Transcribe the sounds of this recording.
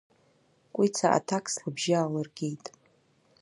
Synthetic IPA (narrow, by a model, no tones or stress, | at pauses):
kʷʼit͡sʰaʔa̰tʰakʰʼslɨbʒaːlɨrɡʲejtʼ